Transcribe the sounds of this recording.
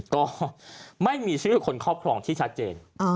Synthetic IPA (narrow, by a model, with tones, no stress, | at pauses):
kɔː˥˩ma˥˩jmiː˧t͡ɕʰɯː˥˩kʰo˧nkʰɔː˥˩p̚kʰɾɔː˧ŋt̪ʰiː˥˩t͡ɕʰa˦˥t̪̚t͡ɕeː˧n˧